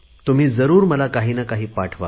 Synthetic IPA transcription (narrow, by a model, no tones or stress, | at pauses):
t̪um̤iːd͡zəɾuːɾməlakaɦiːnakaɦiːpaʈʰʋa̰